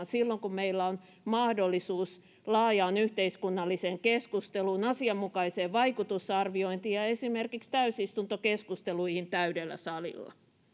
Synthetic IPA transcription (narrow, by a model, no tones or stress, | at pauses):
nsilːoŋkummeilːæon | mɑhdolːisuːs | lɑːjɑːnyht̪eiskunːɑlːiseːŋkeskust̪eluːnɑsiɑmːukɑiseːʋʋɑikut̪usɑrʋioint̪iːjɑesimerkikst̪æysist̪unt̪okeskust̪eluihint̪æydelːæ̰sɑlḭlːɑ̰